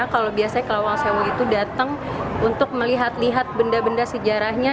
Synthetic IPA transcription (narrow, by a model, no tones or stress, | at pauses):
kalobiasaɲakəlawaŋsewəlit̪udat̪əŋ | unt̪ʊk̚məliɦat̪liɦat̪̚bəndabəndasəd͡ʒaɾahɲa